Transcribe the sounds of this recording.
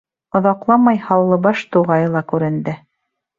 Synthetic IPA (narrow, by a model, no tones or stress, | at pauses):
ŏðɑqlˠɑmɑjhɑwlˠɤbɑʃt̪uʁɑjɤlˠɑkʉɾɘ̆nd̪ɘ